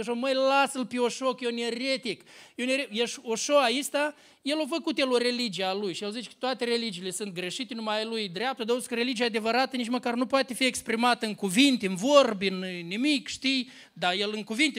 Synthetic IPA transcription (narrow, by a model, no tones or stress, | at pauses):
ʃoməjlasɨlpeoʃokjeneɾet̪ikjeneɾejeʃoʃoaist̪a | je̞lofəkut̪jeloɾe̞lid͡ʒijealujʃijelzit͡ʃe̥kə̥t̪oat̪e̞ɾe̞lid͡ʒiːle̞sɨnt̪̚ɡɾe̞ʃit̪enumaalujd̪ɾeap̚t̪əd̪aozsi̥kəɾe̞lid͡ʒijad̪e̞vəɾat̪ənit͡ʃməkarnupoat̪e̞fiekspɾimat̪əɨŋkuvint̪eɨnvo̞rbʲɨnnimikʃt̪ij | d̪aje̞lɨŋkuvint̪e